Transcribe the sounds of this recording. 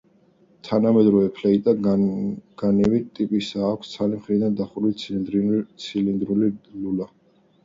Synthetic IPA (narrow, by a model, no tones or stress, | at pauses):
t̪ʰanamɛd̪ɾɔvɛpʰlɛit̪ʼa | ɡ̥anivit̪ʼipʼisaːkʷʰst̪sʰalimχɾid̪and̪aχuɾit̪ | t̪sʰilind̪ɾulilula